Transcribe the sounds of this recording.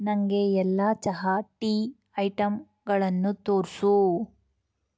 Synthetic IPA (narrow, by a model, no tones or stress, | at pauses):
nɐŋɡeɛlːaːt͡ʃɐɦɐʈiː | ɐjʈɐm | ɡɐɭɐnːut̪oːɾsu